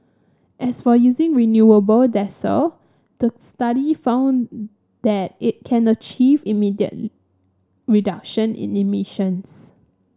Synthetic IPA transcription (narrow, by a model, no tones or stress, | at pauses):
ʔɛsfɔjuzɪ̃ŋɹinjuəbəldɛsə̰ | d̥əstaɾifãʊ̃n | d̪̥ɛt̚ɪt̚kʰɛ̃nət͡ʃivimidiə̰t̚ | ɹidakʃə̃nɪ̰̃nimiʃə̃ns